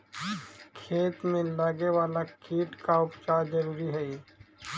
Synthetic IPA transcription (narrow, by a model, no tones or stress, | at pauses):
kʰeːt̪mẽlaɡewaːlakiːʈkaʊpt͡ʃaːɾd͡ʒɐɾuːɾiɦɛi